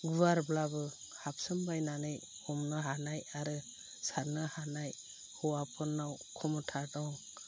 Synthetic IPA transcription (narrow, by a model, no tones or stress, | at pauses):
ɡuaɾblabɯ | hap̚sɯmbajnanɯj | humnɯɦanajaɾɯ | saɾnɯhanaj | hɔwapʰɯnːawkʰɔmɔtʰadɔŋ